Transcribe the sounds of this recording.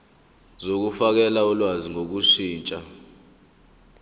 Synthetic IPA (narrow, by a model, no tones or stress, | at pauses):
zok̬ufak̬ɛlaɔlwaziŋok̬uʂiːnt͡ʃʼa